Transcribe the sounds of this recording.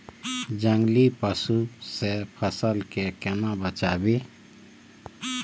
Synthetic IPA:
d͡ʒəŋɡlipəsusepʰəsəlkekenabət͡ʃabe

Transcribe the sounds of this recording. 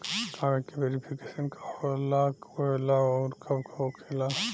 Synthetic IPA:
takːeʋeːɾipʰikeːʃənkʰḁɔɾɐlːakoelaɔːɾkʰɐbkʰookʰeːla

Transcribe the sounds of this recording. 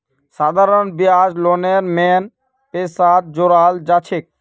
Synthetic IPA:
sad̪ʱaɾɔnbiad͡ʒloneɾmen | pesad̪̚d͡ʒoɾald͡ʒat͡ʃʰek̚

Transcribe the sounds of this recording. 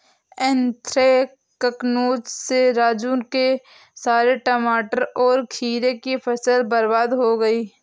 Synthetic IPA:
ɛ̃nt̪ɾe | kəknoːd͡ʒseɾaːd͡ʒuːnke | saːɾeʈəmaːʈəɾɔːɾkʰiːɾekipʰəsəlbɐɾbaːd̪ɦoɡɐiː

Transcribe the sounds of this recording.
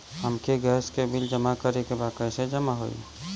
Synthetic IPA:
ɦəmkeɡɛːskebɪld͡ʒəmakəɾekebaːkəjsed͡ʒəmaɦo̰ḭ

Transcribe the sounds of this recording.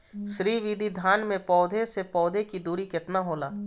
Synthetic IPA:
ʃɾiːʋid̪ʱid̪ʱaːnmẽpɔːd̪ʱesepɔːd̪ʱekid̪uːɾikɪt̪naɦoːlaː

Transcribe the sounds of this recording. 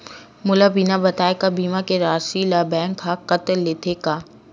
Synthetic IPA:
mʊlabiːnabɐt̪aːekabiːmakeɾaːsilabɛ̃ːŋkʰːakɐt̪ːeːt̪ʰekaː

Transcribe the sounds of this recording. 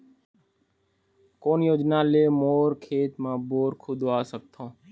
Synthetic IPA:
koːnjoːd͡ʒnaːleːmoːɾkʰeːt̪mãːboːɾkʰʊd̪ʱoːaːsək̚t̪ʰõː

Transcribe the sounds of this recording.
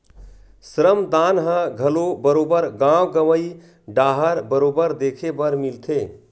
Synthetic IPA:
sɾəmd̪anɦə̃ɡʱəlobəɾobəɾɡãwɡəʋəi | ɖaɦəɾbəɾobəɾd̪ekʰebəɾmilt̪ʰe

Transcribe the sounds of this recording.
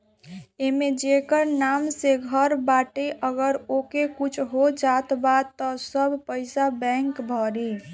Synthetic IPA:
emed͡ʒekəɾnamseɡʱəɾbaʈeʔəɡəɾokekut͡ʃʰɦod͡ʒat̪bad̪t̪ːɔsəbʱpəɪsabɛ̃ŋkbʱɔɾi

